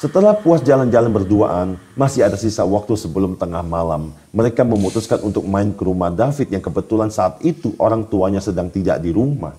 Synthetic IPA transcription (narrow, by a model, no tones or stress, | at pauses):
sət̪əlahpuasd͡ʒaland͡ʒalanbərdua̰ʔanmasɪadasisawak̚t̪usəbəlʊmt̪əŋahmala̰mː | əɾekaməmut̪uskanʔunt̪ʊk̚maɪnkəɾumahdafɪt̪̚jaŋkəbət̪ulansaːt̪it̪uʔoɾaŋt̪uaɲasədaŋt̪ida̰ʔdiɾuma̰h